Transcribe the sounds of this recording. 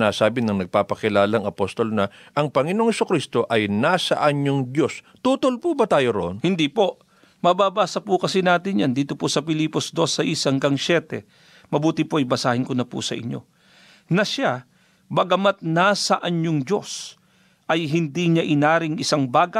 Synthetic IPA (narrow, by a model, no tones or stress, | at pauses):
nasaːbɪnɐŋnɐɡ̚paːpɐkɪlaːlɐŋɐpost̪o̞lnɐ | ʔɐŋpɐŋɪnoŋhɛsʊkɾist̪o̞ʔɐjnasɐ̰ʔɐɲɲoŋd͡ʒos | t̪uːt̪olpubɐt̪aːjoɾoʔonhɪnd̪ipo̞ʔ | mɐbaːbaːsɐpʊkɐsɪnaːt̪ɪnjand̪iːt̪o̞pʊsɐpɪliːpo̞sd̪o̞sːɐʔisɐŋɡɐŋsɛt̪ɛ̰ | mɐbuːt̪ɪpoʔɐjbɐsaːhɪnkonɐpʊ̰sɐ̰ʔɪ̰ɲo̞̰ | nɐʃa | bɐɡɐmat̪̚nasɐʔɐɲːoŋd͡ʒo̞̰s | ʔɐjɦɪnd̪iɲɐʔɪnaːɾɪŋɪsaŋbaːɡɐ